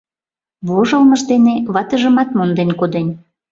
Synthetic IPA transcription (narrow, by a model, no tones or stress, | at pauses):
βoʒəlməʒd̪eneβɑt̪əʒəmɑt̪mond̪enkod̪enʲ